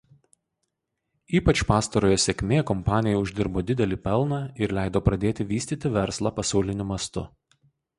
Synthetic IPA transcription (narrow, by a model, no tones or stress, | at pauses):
iːpɐt͡ʃpɑːst̪ɐɾoːjoːsʲɛkʲmʲeːkɔmpɑːnʲɪjɛʊʒʲd̪ʲɪɾboːd̪ʲɪd̪ʲɛlʲiːpʲɛlˠnɑːɪɾlʲæˑɪd̪oːpɾɐd̪ʲeːt̪ʲɪʋʲiːsʲt̪ʲiːt̪ʲɪʋʲɛɾslˠɑːpɐsɑʊlʲɪnʲʊmɐst̪ʊ